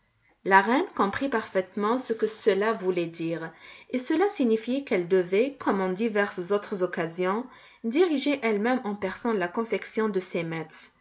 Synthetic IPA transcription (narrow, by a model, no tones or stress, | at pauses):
laʁɛnkɔ̃pχipaʁfɛt̪mɑ̃səkəsəlavulɛd̪iːʁesəlasiɲifjkɛld̪əvɛkʰɔmɑ̃d̪ivɛʁszot̪χəzɔkazjɔ̃ | d̪iʁiʒeʔɛlmɛmɑ̃pɛʁsɑ̃lakɔ̃fɛksjɔ̃d̪əsemɛt̪χ